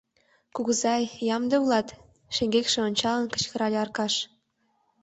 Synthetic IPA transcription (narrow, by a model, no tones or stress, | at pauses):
kuɣəzɑjːɑmd̪ĕulɑt̪ | ʃeŋɡekʃĕonʲt͡ɕɑlənkə̥̆t͡ɕkə̆ɾɑlʲeɑrkɑʃ